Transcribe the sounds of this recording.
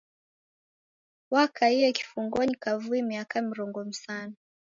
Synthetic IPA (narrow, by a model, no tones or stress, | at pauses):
wakaiɛki̥fuŋɡɔɲikavuɛmiakamiɾɔŋɡɔm̩sanɔ